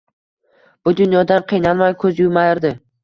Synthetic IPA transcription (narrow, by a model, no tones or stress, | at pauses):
b̥ʊd̪ʊnjɒd̪anqʰɨjnalˠmajkʰɵzjʊmajɪɾd̪ɪ